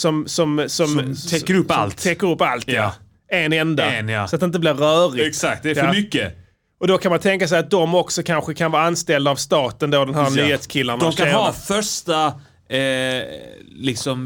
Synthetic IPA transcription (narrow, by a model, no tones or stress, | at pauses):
sɔmsɔmsɔmtʰɛkːəɾɵpːa̰lt̪t̪ʰɛkːəɾɵpːalt̪ja | enɛnd̪ansat̪̚ɛnɪt̪əblɪɾœːɾɪɛksak̚t̪d̪ɛamʏkːə | ɔd̪ɔkʰanmant̪ʰɛŋkasɛɪat̪̚d̪ɔmɔksɔkʰanɧəkʰanvɑːɾanst̪ɛld̪aːvst̪ɑːt̪ənd̪oːd̪ɛnɦæːɾnyːheːt̪skʰɪlːand̪ɔkʰaɑːfœʂʈa | lɪksɔm